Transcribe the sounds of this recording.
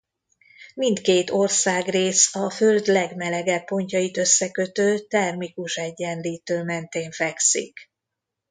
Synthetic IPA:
mint̪keːt̪o̞rsaːɡreːsɒfø̞ld̪lɛɡmɛlɛɡɛpːo̞ɲcɒjit̪ø̞sːɛkø̞t̪øːt̪ɛrmikuʃɛɟːɛnliːt̪øːmɛnt̪eːɱfɛksḭk

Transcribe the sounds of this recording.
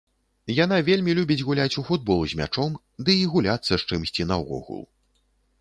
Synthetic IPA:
jan̪avʲelʲmʲilʲubʲid͡zʲɣulʲat͡sʲufud̪̚bɔlˠuzʲmʲa̰t͡ʂɔm | d̪ɨiɣulʲat̪sːɐʂt͡ʂɨmsʲt͡sʲinɐɔ̰ɣṵlˠ

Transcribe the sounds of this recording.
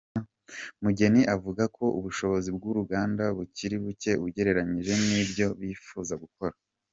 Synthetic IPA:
muɟe̞niʔavuɡakʰo̞ʔṵβuʃo̞βo̞zib̚ɡuɾuɡaːndaβuciɾiβuce̞βuɟe̞ɾe̞ɾaɲiʒe̞nibɟo̞βiːfuːzaɡuko̞ɾa

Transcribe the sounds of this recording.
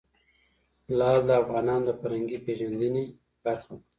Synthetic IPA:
lɑːld̪əafɣɑːnɑːnd̪əfaɾaŋɡipeʒand̪əne | b̥aɾxa

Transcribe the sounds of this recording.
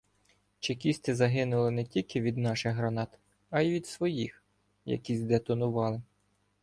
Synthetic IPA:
t͡ʃekʲisʲt̪ɪzɐɦɪnʊlˠɪnɛtʲilʲkɪʋʲid̪nɑʃɪxɦɾɐnɑt̪ | ɐiʋʲid̪sʋɔjix | jɐ̰kʲizʲd̪ɛt̪ɔnʊʋɑlˠɪ

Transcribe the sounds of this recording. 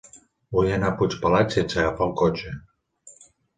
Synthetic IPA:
bujanaput͡ʃpalasensaɣafawkot͡ʃe

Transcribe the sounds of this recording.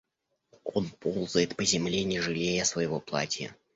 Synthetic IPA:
onpʰolˠzʊjɪt̪pəzʲɪmlʲenʲɪʐɨlʲejəsvəjɪvoplˠa̰tʲjə̰

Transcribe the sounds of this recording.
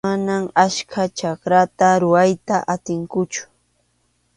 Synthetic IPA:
anamaʃkʰat͡ʃakɾat̪aɾʊwajt̪aʔat̪ɪŋkʊt͡ʃʊ̥

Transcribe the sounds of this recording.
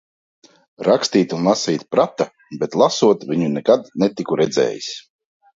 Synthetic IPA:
ɾakst̪iːt̪unlˠasiːt̪ʲpɾat̪a | bɛt̪lˠasuɔt̪viɲunɛkad̪nɛt̪ikuɾɛd̪zɛ̰ːjis

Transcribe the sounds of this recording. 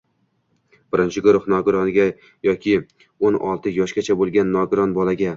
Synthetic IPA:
b̥ɪɾɪnt͡ʃʰɪɡʊɾʊχnɒɡʊɾɒnɡʲa | jɒkʲʰɪ | onɒ̰lˠt̪ʰɪjɒʃɡʲat͡ʃʰabolˠɡʲanːɒɡʊɾɒnbɒlaɡʲa

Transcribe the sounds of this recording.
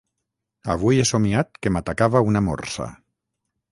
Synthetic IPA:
a̰β̞ujesomiat̪kemat̪akaβaunamɔ̰rsa̰

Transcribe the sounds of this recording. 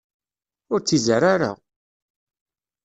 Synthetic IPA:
ʊɾt͡sːizəɾaɾə̰ʁ

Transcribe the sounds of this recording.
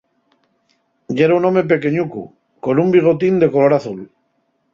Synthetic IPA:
ɟ͡ʝeɾaunõmep̬e̞ke̞ɲukṵ | ko̞numbiɣ̞o̞t̪ind̪e̞ko̞lo̞ɾaθul

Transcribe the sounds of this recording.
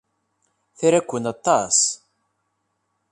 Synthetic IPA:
θiɾækʷːənɑt̪ˤːɑs

